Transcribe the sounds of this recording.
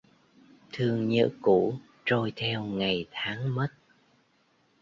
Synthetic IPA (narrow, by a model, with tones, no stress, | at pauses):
t̪ʰɨ˧əŋɲə̰ː˧˥ku˧˩ | t͡ɕo˧jt̪ʰɛ˧wŋa˨˩jt̪ʰaː˨˦ŋmə˦˥t̚